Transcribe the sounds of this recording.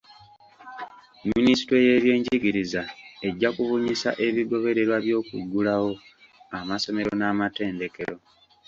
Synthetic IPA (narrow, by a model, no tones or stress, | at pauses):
minisi̥tweje̞βje̞ːɲɟiɡiɾizae̞ɟːakuβuɲisa̰ʔe̞βiɡo̞βe̞ɾe̞ɾwaβjo̞ːkuɡːulawo̞ | amaso̞me̞ɾo̞naːmate̞ːnde̞ke̞ɾo̞